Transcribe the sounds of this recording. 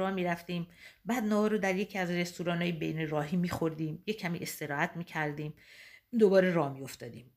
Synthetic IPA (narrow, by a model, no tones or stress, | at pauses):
ɒːmiːɾæft̪iːmbæd̪nɒːhɒɾod̪æɾje̞cʰiːæzre̞st̪uɾɒːnɒːjebejneɾɒːɦiːmiːxo̞ɾd̪iːmje̞cʰːæmḭʔe̞st̪e̞ɾɒːhæt̪ʰmiːcʰæɾd̪iːmd̪obɒːɾe̞ɾɒːmijo̞ft̪ɒːd̪iːm